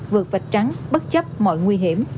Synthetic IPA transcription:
vɨ˨˩ək̚və˨˩t̚t͡ɕa˨˦ŋɓə˦˥t̚t͡ɕə˦˥p̚mɔ̰˧˨jŋwi˧ɦi˧˩əm

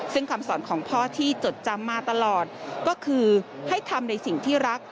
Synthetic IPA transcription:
sɯ˥˩ŋkʰa˧msɔː˩˦nkʰɔː˩˦ŋpʰɔː˥˩t̪ʰiː˥˩t͡ɕo˨˩t̪̚t͡ɕa˧mːaː˧˥˩t̪a˧lɔː˨˩t̪̚kɔː˥˩kʰɯː˧ha˥˩jt̪ʰa˧mna˧jsi˨˩ŋt̪ʰiː˥˩ɾa˦˥k̚

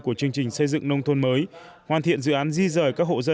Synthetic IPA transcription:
ku˧˩ət͡ɕɨ˧əŋt͡ɕï˨˩ŋ̟sə˧jzɨ̰˧˨ŋnə˧wŋ͡mt̪ʰə˧nməː˨˦j | hwaː˨˩nt̪ʰḭ˧˨ənzɨ̰˧˨ʔaː˨˦nzi˧zəː˨˩jkaː˦˥k̚ho̰˧˨zə˧

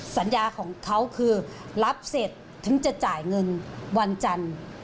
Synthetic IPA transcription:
sa˩˦njaː˧kʰɔː˩˦ŋkʰa˦˥wkʰɯː˧ | la˦˥p̚se˨˩t̪ʰːɯ˩˦ŋt͡ɕa˨˧˩t͡ɕaː˨˩jŋɤ˧nwa˧nt͡ɕa˧n

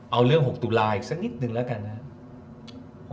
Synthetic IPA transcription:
ʔa˧wɾɯ˥˩əŋɦo˨˩k̚t̪uː˨˩laː˧ʔi˨˩sa˦˥k̚ni˦˥t̪̚nɯ˨˩ŋlaː˦˥ka˧nːa˦˥

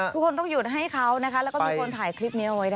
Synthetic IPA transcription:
u˦˥kʰo˧nt̪ɔ˥˩ŋju˨˩t̪̚ɦa˥˩jkʰa˦˥wna˦˥kʰa˦˥lɛ˦˥wkɔ˥˩t̪u˧kʰo˧nt̪ʰaː˩˦jkʰli˦˥p̚ni˦˥ɐwa˦˥jdaː˥˩

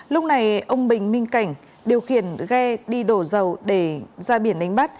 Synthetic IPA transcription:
lʊ˦˥k͡p̚na˨˩jʔə˧wŋ͡mɓï˨˩ŋ̟mï˧ŋ̟ka˧˩jŋ̟ | ɗi˨˩əwxi˧˨ənɣɛ˧ɗi˧ɗo˧˩zə˨˩wɗe˧˩zaː˧ɓi˧˩ənɗa˨˦ŋ̟ɓa˦˥t̚

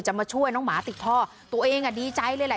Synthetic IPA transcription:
t͡ɕa˨˩maː˧t͡ɕʰu˥˩əjnɔː˦˥ŋmaː˩˦t̪i˨˩t̪ʰːɔː˧˥˩ | t̪u˧əʔeː˧ŋʔaː˨˩diː˧t͡ɕa˧jlɤː˧jla˨˩

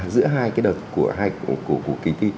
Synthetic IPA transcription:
zɨ̰˧˥əɦaː˧jkaː˨˦jɗəː˨˩t̚ku˧˩əɦaː˧jku˧˩əku˧˩əki˨˧˦t̪i˧

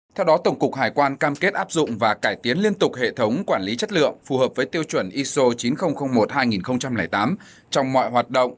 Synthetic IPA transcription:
t̪ʰɛ˧wɗɔ˨˦t̪ə˧˩wŋ͡mkʊ˨˩k̚haː˨˩jkwaː˧nkaː˧mke˦˥t̚ʔaː˦˥p̚zʊ̰˧˨ŋ͡mvaː˨˩kaː˧˩jt̪i˨˦ənli˧ənt̪ʊ˨˩k͡p̚hḛ˧˨t̪ʰə˨˦wŋ͡mkwaː˧˩nli˨˦t͡ɕə˦˥t̚lɨ̰˧˨əŋfu˨˩həː˨˩p̚vəː˨˦jt̪i˧əwt͡ɕwə˧˩nʔi˧so˧t͡ɕi˨˦nxə˧wŋ͡mxə˧wŋ͡mmo˨˩t̚haː˧jŋi˨˩nxə˧wŋ͡mt͡ɕa˧mlɛ˧˩jt̪aː˨˦m | t͡ɕɔ˧wŋ͡mmɔ̰˧˨jɦwaː˨˩t̚ɗə̰˧˨wŋ͡m

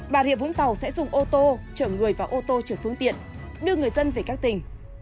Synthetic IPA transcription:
ɓaː˨˩hḭ˧˨əvʊ̰˧˥ŋ͡mt̪a˨˩wsɛ̰˧˥zʊ˨˩ŋ͡mʔo˧t̪o˧t͡ɕəː˧˩ŋɨ˨˩əjvaː˨˩ʔo˧t̪o˧t͡ɕəː˧˩fɨ˧əŋt̪ḭ˧˨ən | ɗɨ˧əŋɨ˨˩əjzə˧nve˨˩kaː˦˥k̚t̪ï˨˩ŋ̟

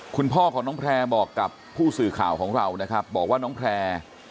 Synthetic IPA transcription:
kʰu˧npʰɔː˥˩kʰɔː˩˦nɔː˦˥ŋpʰɾɛː˧bɔː˨˩kːa˨˩pʰːuː˥˩sɯː˨˩kʰaː˨˩wkʰɔː˩˦ŋɾa˧wna˦˥kʰɾa˦˥p̚bɔː˨˩k̚waː˥˩nɔː˦˥ŋpʰɾɛː˧

